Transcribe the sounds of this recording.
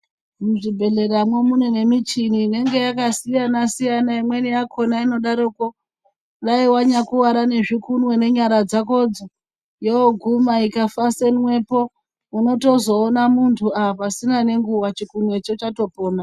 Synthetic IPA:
muʐibʱe̞le̞ɾamwe̞munene̞mit͡ʃiniːne̞ŋɡe̞jakasijanasijanaimwe̞nijakʰo̞naino̞ɗaɾoko | raiwaɲakuwaɾane̞ʐikunwe̞ne̞ɲaɾad͡zako̞d͡zo | jooɡʱumaikafasenwe̞ːpo̞ | uno̞to̞zo̞ːnamuntʰuaapasinane̞ŋɡuwat͡ʃikunwe̞t͡ʃot͡ʃato̞poːna

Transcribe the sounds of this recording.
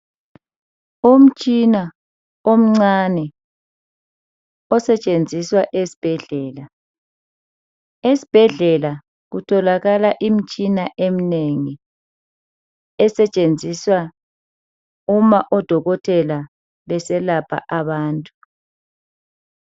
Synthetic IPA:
um̩t͡ʃʼina | om̩ŋ͡ǀanɛ | ɔsɛt͡ʃʼend͡zʱiswaʔesi̥b̥ʱɛɮɛːla | esi̥b̥ʱɛɮɛla | ɣutʰɔlaɣalaʔim̩t͡ʃʼinaʔemineŋi | ɛsɛt͡ʃʼend͡zʱiswa | umaʔɔd̥ʱɔɣɔtʰɛla | βɛsɛlapʰa̰ʔaβaːntʼu

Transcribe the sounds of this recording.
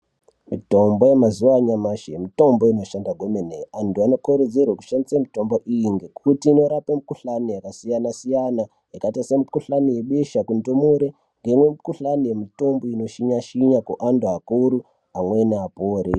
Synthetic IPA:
mito̞mbojemazuwaɲamaʃeemito̞mboino̞ʃandaɡʱomeneanduanokoɾed͡zerwaku̥ʃandisamito̞mboʔijiŋɡekutiːnoɾapemikuɬanijakasijanasijana | jakatasemikuɬanije̞ɓeʃakundomuɾe | ŋɡe̞imwe̞mikuɬanije̞mito̞mboino̞ʃiɲaʃiɲakuʔanduakuɾu | amwe̞neapoːɾi

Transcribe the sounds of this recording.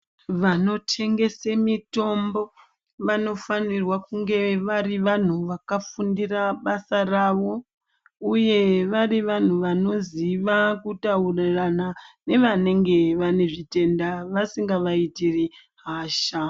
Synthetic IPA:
ʋano̞tʰe̞ŋɡe̞semito̞mbo | ʋano̞fanirwakuŋɡe̞ʋariʋan̤uʋakafundiraɓasaraʋo̞ | uje̞ʋariʋan̤uʋano̞ziʋakutauraranane̞ʋane̞ŋɡe̞ʋane̞ʐite̞ndaʋasiŋɡaʋaitiri | ɦaːʃa

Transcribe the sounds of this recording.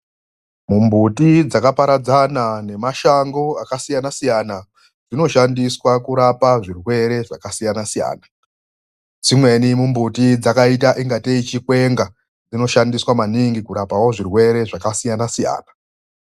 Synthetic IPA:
mumbutid͡zakapaɾad͡zanane̞maʃaŋɡo̞akasijanasijana | d͡zino̞ʃandiswakuɾapaʐirwe̞ɾe̞ʐakasijanasija̰ːna | d͡zimwe̞nimumbutid͡zakaitaʔiŋɡateit͡ʃikwe̞ŋɡa | d͡zino̞ʃandiswamaniŋɡikuɾapawoʐirwe̞ɾe̞ʐakasijanasija̰ːna

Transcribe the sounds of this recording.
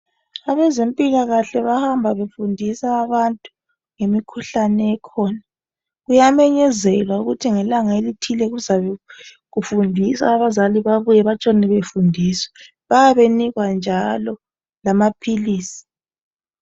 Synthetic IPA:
aβɛzempʼilaɣaɬɛβahambʱaβefundʱisaːβantʼu̥ | ŋemikʰuɬanɛːkʰɔːna | ɣujamɛɲɛzɛlwauɣutʰiŋɛlaŋaelitʰilɛɣuzaβɛ | ɣufundʱisa̰ːβazaliβaβujɛβat͡ʃʼɔnɛβefundʱiswɛ | βajaβeniɣwand͡ʒʱalɔ | lamapʰiliːsi̥

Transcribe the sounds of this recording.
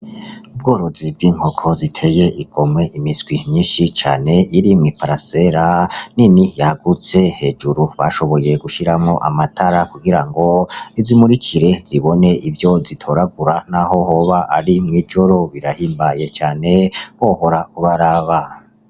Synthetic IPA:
ubɡo̞ːɾo̞zib̚ɡiːŋ̥ho̞kʰo̞zitʰe̞je̞ʔiɡ̥o̞mwe̞ʔimizɡwimɲiːnʃit͡ʃa̰ːne̞iɾimwipaɾase̞ɾaninijaaɡut͡se̞he̞ːd͡ʒuɾuβa̰ʃo̞βo̞je̞ɡuʃiɾamŋo̞ʔa̰matʰaɾakuɡiɾaŋɡo̞izimuɾikʰiɾe̞z̥iβo̞ne̞ivjo̞zitʰoɾaɡuɾanaho̞ho̞βaʔaɾimŋiːd͡ʒo̞ɾo̞βiɾahiːmbaje̞t͡ʃaːne̞hoho̞ɾauβaɾaβa

